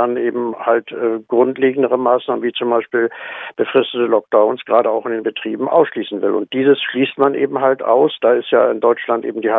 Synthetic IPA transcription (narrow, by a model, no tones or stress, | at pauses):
anʔeːbm̩haltɛːɡ̥ʁʊntleːɡŋ̩dəʁəmaːsnaːmənviːt͡sʊmbaɪʃpiːlb̥əfʁ̥ɪstətəlɔk̚d̥aʊnsɡ̥ʁaːdəaʊxɪndeːnbətʁ̥iːbm̩ʔa̰ʊsʃliːsn̩vɪlʊ̰nt̚d̥iːzəsʃliːstmanʔḛːbm̩ɦaltʔa̰ʊsd̥aːɪstja̰ːɪndɔʏt͡ʃlantʔḛːbm̩diːha